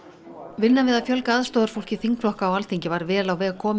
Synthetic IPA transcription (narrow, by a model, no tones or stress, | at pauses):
vɪnːavɪðaðfjœlkaaðst̪ɔːðʏɾ̥fowl̥cɪθiŋkflɔhkaːwalt̪iɲcɪvaɾvɛːlawvɛːɣakʰɔːm